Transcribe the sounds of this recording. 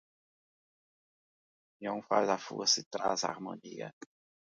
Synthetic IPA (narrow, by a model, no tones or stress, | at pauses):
jõw̃fa̰zafṵɐsit̪ɾa̰za̰ɾmoniɐ̰